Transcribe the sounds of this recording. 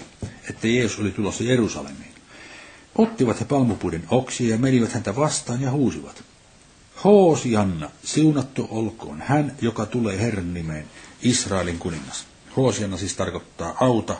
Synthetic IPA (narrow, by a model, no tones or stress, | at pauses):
et̪ːæjeːsusolit̪ulosːɑjerusɑ̰lḛmˑiːn | ʔot̪ːiʋɑt̪hepɑlmupuidenoksiɑjɑmeniʋæt̪hænt̪æʋɑst̪ɑːnjɑhuːsiʋɑt̪ | hoːsiɑnːɑsiunɑt̪ːuʔolko̰ːnhænjokɑt̪uleːherːɑnːimeːnisrɑˑeliŋkuniŋːɑs | hoːsiɑnːɑsiːst̪ɑrkot̪ːɑːʔɑut̪ɑ